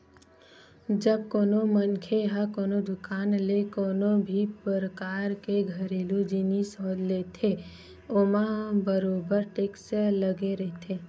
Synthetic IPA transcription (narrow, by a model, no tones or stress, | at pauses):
d͡ʒəb̚koːnomənkʰeɦakoːnod̪ʊkaːnlekoːnobʱipəɾəkaːɾkeɡʱəɾeːlud͡ʒinisɔːd̪leːt̪ʰe | omãbəɾoːbəɾʈeːksləɡeɾɛɦt̪ʰe